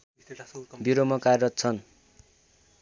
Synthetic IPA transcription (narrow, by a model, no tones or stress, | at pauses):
biɾomʌkarrʌt̪t͡sʰʌn